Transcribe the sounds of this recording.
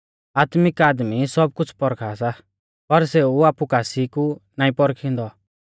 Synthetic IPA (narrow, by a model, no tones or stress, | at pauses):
aːt̪mɪkaːd̪misɔb̚kʊt͡sʰpɔɾkʰaːsa | pɐɾseːuaːpukaːsikunãːĩpɔɾkʰɪ̃nd̪ɔ